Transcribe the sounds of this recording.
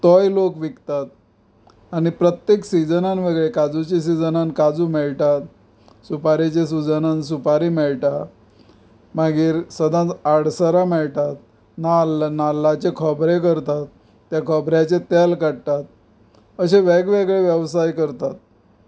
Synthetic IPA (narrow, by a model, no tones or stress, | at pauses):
t̪əjlokʋikt̪at̪ | aɽ̃ipɾət̪jeksid͡zənanʋeɡɭekad͡zut͡ɕes̬id͡zənankad͡zumɛɭʈ̪at̪ | supaɾit͡ɕes̬ud͡zənans̬upaɾimɛɭʈ̪a | maɡiːɾsəd̪ʱãt̪aɽsəɾamɛɭʈ̪at̪̚ | nalnalːat͡ɕekʰɔbɾekəɾt̪at̪̚ː | jakʰɔbɾjat͡ɕet̪ɛlkaɽt̪at̪̚ | əɕeʋɛɡʋeɡɭeʋjəʋsajkəɾt̪at̪̚